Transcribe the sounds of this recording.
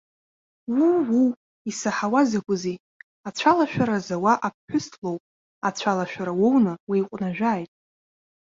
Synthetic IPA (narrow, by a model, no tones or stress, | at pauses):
wuwu | isaħawazakʷʼʊzi | at͡ɕʷʰalaʃᶣaɾazawaʔap̚ʰħʷʊstʰlo̞wpʼ | at͡ɕʷʰalaʃᶣaɾawownɨwijqʷʼnaʒᶣaːjtʼ